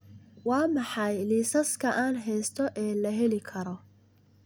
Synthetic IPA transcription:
wɑːmɑħɑjliːsɐskʰɐʔaːnɦɛjst̪ʰɔʔɛːlɐɦɛlɪkʰɐɾɔ

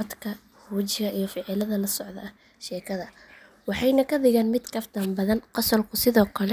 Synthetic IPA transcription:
d̪kʰɐ | huːt͡ʃɪɣɐʔijɞfɪʕɪlɐðɐlɐsɔʕðɐɐ | ʃɛːkʰɐðɐ | wɑħɑjnɐkʰɐðɪɣaːnmɪd̪kʰɐfd̪ʰɐmbɐðɐnqɑsɔlkʰʊsɪðɔːkʰɐlɛ

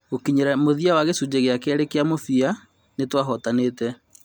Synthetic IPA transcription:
okiɲɛɾɛmoðiawaɣesud͡ʑeɣeakɛɾekeamofia | netwaɦɔtanetɛ

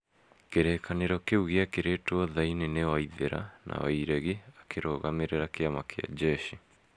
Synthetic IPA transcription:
keɾeːkʰaneɾɔkeuɣeakeɾetwɔðainenewaiðeɾa̰nʔa̰wa̰iɾɛɣiakʰeɾoːɣameɾeɾakeamakea̰d͡ʑɛʃi

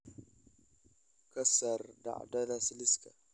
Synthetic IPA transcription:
kɐsaɾda̰ʔdadasiliska

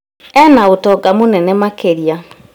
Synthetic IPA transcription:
ɛnaotɔɡamonɛnɛmakeɾija

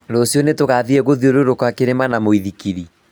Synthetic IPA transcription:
dɔsjɔnetoɣaðiɛɣoðioɾoɾokwakeɾemanamoiðikiɾi

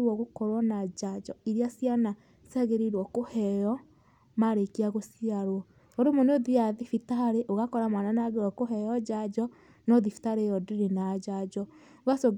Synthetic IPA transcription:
ɾwɔɣokɔɾwɔnad͡ʒad͡ʒɔiɾiasjana | saɣeɾeɾwɔkohɛjɔ | maɾekiaɣosiaɾwɔ | oɾemoneoðiaðifitaɾeʔoɣakɔɾamananaɣeɾwɔkoɦɛjɔd͡ʒad͡ʒɔ | nɔðifi̥taɾejɔdeɾenad͡ʒad͡ʒɔ | oɣasoɡ

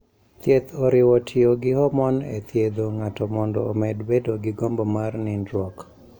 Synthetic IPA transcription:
t̪jet̪ʰoɾɪwɔtʰɪoɡɪhɔmɔnḛt̪jed̪oŋatɔmɔndɔːmɛdbedoɡɪɡombomarnɪndɾɔk

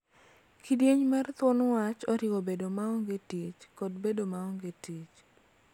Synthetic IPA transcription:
kidjeɲmart̪ʊnwat͡ʃɔɾɪɡobedomaɔŋɡetit͡ʃkɔdbedomaɔŋɡetit͡ʃ

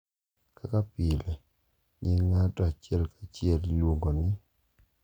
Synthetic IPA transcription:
kʰakapɪlɛ | ɲɪŋatɔat͡ʃɪɛlkat͡ʃɪɛllwoŋɡonɪ

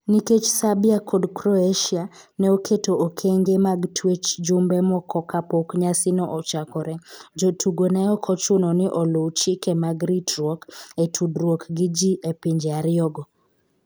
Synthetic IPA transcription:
niket͡ʃsabiakʰodkɾɔeʃia | nɛokʰetookʰeŋɡemaɡtʰwet͡ʃd͡ʒʊmbɛmɔkʰɔkapokɲasɪnɔʔɔt͡ʃakɔɾɛd͡ʒotʰuɡonɛɔkʰɔt͡ʃʊnɔnɪʔɔlot͡ʃikɛmaɡɾitɾwoketʰudɾwokɡɪd͡ʒiʔepiɲd͡ʒeaɾɪɔɡɔ

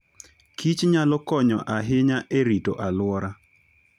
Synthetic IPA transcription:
kʰit͡ʃɲalɔkɔɲɔ̰ʔaɦɪɲaʔeɾitoʔalwɔɾa

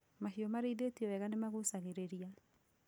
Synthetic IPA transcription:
mahiɔmaɾeiðetiɔwɛɣanemaɣosaɣeɾeɾia

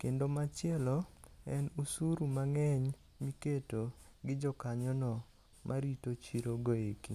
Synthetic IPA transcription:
kendomat͡ʃɪɛlɔɛnusuɾumaŋɛɲ | miketoɡɪd͡ʒɔkaɲɔnɔ | mʔaɾitot͡ʃiɾoɡoekḭ

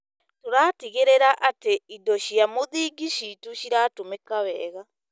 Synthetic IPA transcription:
toɾaːtiɣeɾeɾaʔateidɔʃiamoðiːɡiʃiːtuʃiɾaːtomekaβɛ̰ːɣa

